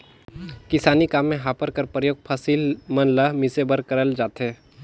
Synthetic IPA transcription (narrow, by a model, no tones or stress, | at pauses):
kɪsaːnikaːmːẽɦaːpəɾkəɾpɾəjoːɡ̚pʰəsiːlmɐnləmɪsebəɾkəɾəld͡ʒaːt̪ɦeː